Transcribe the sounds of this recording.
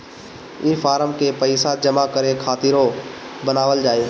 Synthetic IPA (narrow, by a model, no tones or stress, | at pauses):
ɪfaːɾəmkepəɪsad͡ʒəmakəɾekʰaːt̪iɾo | bənaːʋəld͡ʒaːeː